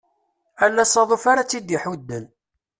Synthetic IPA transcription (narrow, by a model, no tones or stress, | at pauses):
ælːæsˤɑðˤofaɾat͡sːid̪iħud̪ːən